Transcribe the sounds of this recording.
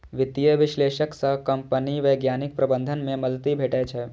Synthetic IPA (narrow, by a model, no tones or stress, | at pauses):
ʋɪt̪ijəʋɪʃleːʃəksəkɐmpəniʋẽɡjaːnɪk̚pɾɐbə̃nd̪ʱənmẽmɐlt̪ibʱeːʈɛt͡ʃʰɛ